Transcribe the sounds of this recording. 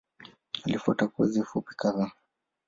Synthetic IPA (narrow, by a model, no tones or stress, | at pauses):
alifua̰takuɛzifupi̥kaða